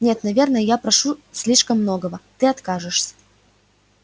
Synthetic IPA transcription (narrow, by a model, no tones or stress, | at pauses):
nʲet̪nɐvʲe̞rnəjəjapɾɐʂusʲlʲiʂkəmːnoɡəvət̪ɨɐt̪kaʐɨʂsʲə̥